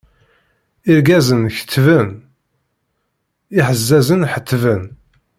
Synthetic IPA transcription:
iɾɡæzənçə̥t̪ːvən | iħəzːæzənħət̪ːvən

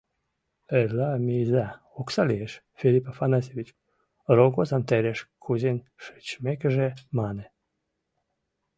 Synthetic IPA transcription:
eɾlamizæ | oksalieʃ | filipafanasevit͡ʃ | ɾoɡozant̪eɾeʃkʰuzin | ʃɨ̥t͡ɕmekʒemane

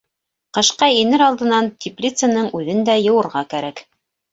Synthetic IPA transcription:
qɤ̆ʃqɑinɘɾɑlˠd̪ɤ̆nɑnt̪ʲiplʲit̪sənɤɴʉðɘnd̪æjɤ̆wɤ̆ɾʁɑkæɾæk

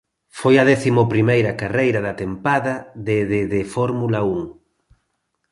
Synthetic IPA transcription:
fojɐðɛθimopɾimejɾɐkarejɾɐðɐt̪empaðɐðɪðɪðɪfɔɾmulɐuŋ

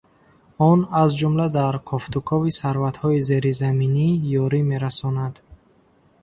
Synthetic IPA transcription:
ɔnazd͡ʒumlad̪aɾkʰɔft̪ukʰɔvisaɾvat̪hɔize̞ɾizaminijɔɾime̞ɾasɔnad̪

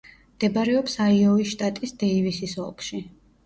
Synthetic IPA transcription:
md̪̥ɛbɾɛɔpsaiɔiʃt̪ʼat̪ʼisd̪̥ɛivisisɔ̰lˠkʰʃi

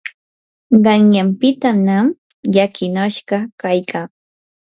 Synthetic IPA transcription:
ɢɑŋjampɪt̪anam | jakʰɪnaʃɢɑkajkʰaː

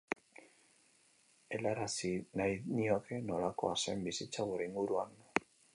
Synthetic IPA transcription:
e̞laɾasinajniokʰeno̞lako̞̰asembisit͡saɣuɾe̞iŋɡuɾuan

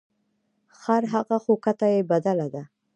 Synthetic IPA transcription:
xaɾɦaɣaxokat̪ajebad̪alad̪a

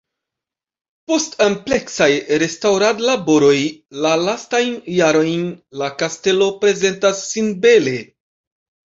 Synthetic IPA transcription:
po̞stample̞ksajɾe̞stawɾadlabo̞ɾo̞jlalastajnːaɾo̞jnlakaste̞lo̞pɾe̞ze̞ntasːinbe̞le̞

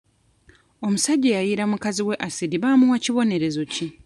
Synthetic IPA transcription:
o̞musaɟːejajiɾamukaziwe̞ʔasidiβaːmuwaciβo̞ne̞ɾe̞zo̞ci

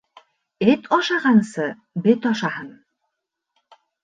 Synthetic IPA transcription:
ɘt̪ʰɒʃɑʁɑnsɤ | bɘt̪ɒʃɑɦɤn

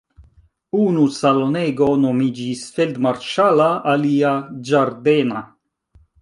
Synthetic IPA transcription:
unusaloneɡonomid͡ʒisfeld̪maɾʃalaaliad͡ʒaɾd̪ena

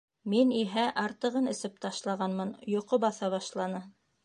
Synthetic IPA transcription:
miniɦæʔɑɾt̪ɤ̆ʁɤnɘ̆sɘp̚t̪ɑʃlˠɑʁɑnmɤnjŏqobɑθɑβɑʃlˠɑnɤ

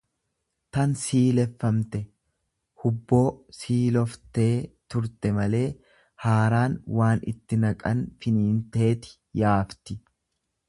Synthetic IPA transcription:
t̪ɐnsiːlɛfːɐmt̪ɛ | hʊbːo̞ːsiːlɔft̪e̞ːt̪ʊɾt̪ɛmɐle̞ː | haːɾaːnwaːnɪ̰t̪ːɪnɐkʼɐnfɪniːnt̪e̞ːt̪ɪ̥ | jaːft̪ɪ

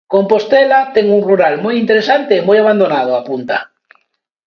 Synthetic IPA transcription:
kompost̪elat̪eŋunruɾalmojint̪eɾesant̪eːmojaβ̞and̪onað̞oapunt̪a̰

